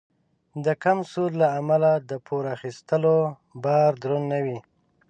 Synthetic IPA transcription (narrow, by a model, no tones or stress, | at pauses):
d̪əkamsollaːmalad̪əpʰoɾaxist̪əlo | bɑɾd̪ɾonːawi